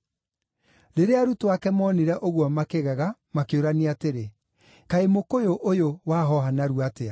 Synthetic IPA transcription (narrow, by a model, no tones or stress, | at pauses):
ɾeɾeaɾutowakɛmɔniɾɛʔoɣwɔmakeɣɛɣamakeoɾaneateɾe | kaemokojoʔojowaːɦɔɦanaɾuatea